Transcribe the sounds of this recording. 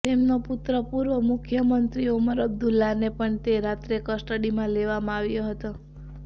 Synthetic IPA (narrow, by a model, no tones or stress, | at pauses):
t̪emnoput̪ɾəpuɾʋəmʊkʰjəmənt̪ɾiuməɾəbd̪ulːanepəɳt̪eɾat̪ɾekəsʈəɽimãleʋamãaʋjoɦət̪o